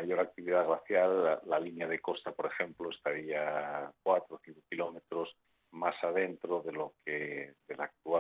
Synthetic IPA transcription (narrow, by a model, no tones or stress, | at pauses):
aʝo̞ɾak̚t̪iβiðaɣlaθjalaːalinjað̞e̞ko̞st̪apo̞ɾe̞xẽ̞mploest̪aɾiakwat̪ɾoθiŋkokilo̞met̪ɾo̞s | masaðe̞nt̪ɾo̞ðelokʰeðe̞lak̚t̪ua